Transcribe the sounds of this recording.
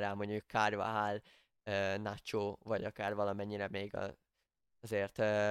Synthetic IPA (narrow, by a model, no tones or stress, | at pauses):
ɾaːmoɲuukʰːaːrva̰ɦaːl | øːnat͡ʃoːvɒɟɒkaːrvɒlɒmɛɲːiɾɛmeːɡɒ̰ | zeːrt̪øː